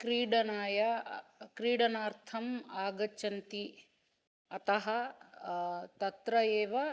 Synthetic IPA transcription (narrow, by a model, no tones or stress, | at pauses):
kɾiːɽɐnaːjɐkɾiːɽɐnaːɾt̪ʰɐmaːɡɐt͡ʃɐnt̪i | ɐt̪ɐɦɐ | t̪ɐt̪ɾɐjeːʋɐ